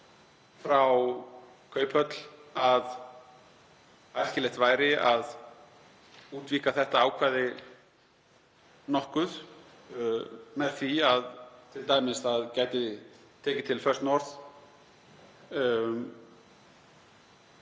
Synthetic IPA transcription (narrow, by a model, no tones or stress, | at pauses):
fɾaw | kʰœːɥphœt̪l̥að | ajl̥cɪlɛjht̪vaːjɾɪað | uːt̪viːkaθɛht̪aaːwkʰvaːðɪ | nɔhkʏð | mɛðθiaðt̪ʰɪlt̪aːjmɪsaðcaːjt̪ɪt̪ʰɛːcɪt̪ʰɪlfœr̥t̪nɔɾθ